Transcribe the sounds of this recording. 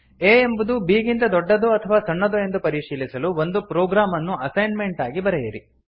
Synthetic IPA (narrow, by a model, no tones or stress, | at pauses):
eːembud̪ubiːɡint̪ɐd̪ɔɖːɐd̪uɐt̪ʰɐʋaːsɐɳːɐd̪ue̞nd̪upɐɾiʃiːlisɐluʋond̪upɾoːɡɾaːmɐnːuʔɐsɐjnme̞ɳʈaːɡibɐɾɛjɐɾi